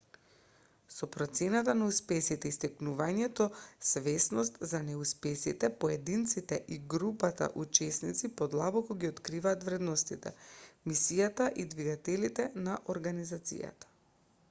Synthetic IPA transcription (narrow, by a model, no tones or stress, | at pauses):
sɔpɾɔt̪sɛnat̪anauspɛsit̪ɛist̪ɛknuvaɲɛt̪ɔsvɛsnɔst̪zanɛuspɛsḭt̪ɛpoɛd̪int̪sit̪ɛʔiɡɾupat̪a̰ʔut͡ʃɛsnit̪sipod̪lˠabɔkɔɡiot̪kɾivaːt̪vɾɛd̪nost̪it̪ɛ̰misijat̪aʔid̪viɡat̪ɛlit̪ɛnaʔoɾɡanizat̪sḭja̰t̪ḁ